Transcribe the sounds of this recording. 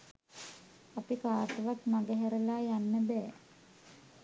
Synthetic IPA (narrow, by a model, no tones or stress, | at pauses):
apikaːt̪əʋakmaɡəɦæɾəlaːjanːəbɛː